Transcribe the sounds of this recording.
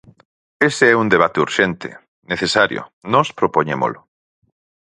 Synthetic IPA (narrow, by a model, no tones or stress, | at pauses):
eseɛund̪eβ̞at̪euɾʃent̪ɪ̰ | neθesaɾjo̰nɔspɾopoɲemo̰lʊ